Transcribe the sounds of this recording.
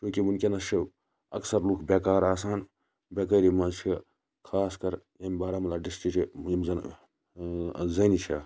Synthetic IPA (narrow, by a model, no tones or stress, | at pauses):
t͡ʃũːkimunkʲenɐʃʰi | ɐksɐɾluːkʰbeːkaːɾaːsaːn | beːkɐːɾimɐt͡ʃʰi | kʰaːskɐɾ | ɐmbaːɾamɐlaːɖist͡ʃit͡ʃiimzɐn | zɐnit͡ʃʰa